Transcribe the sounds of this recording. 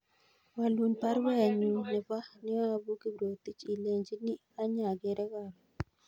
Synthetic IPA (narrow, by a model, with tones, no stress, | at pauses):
wa˨lu˨npa˦ɾwɛ˦˨ɲu˨nɛ˨pa˦ni˦a˦˨bu˦ki˦bɾo˨t̪i˦t͡ʃi˨le˨ɲd͡ʒi˦ni˦ | a˦ɲa˨ɡe˨ɾɛ˦ka˨ɾɔ˨